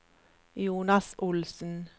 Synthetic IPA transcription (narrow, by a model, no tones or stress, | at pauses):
juːnɑsʔʊlsn̩